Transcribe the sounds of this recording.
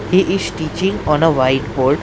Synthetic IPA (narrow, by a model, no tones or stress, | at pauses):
hiʔɪz̥ʈiːt͡ʃɪ̃ŋɔ̃nəʋaɪʈboːɾɖ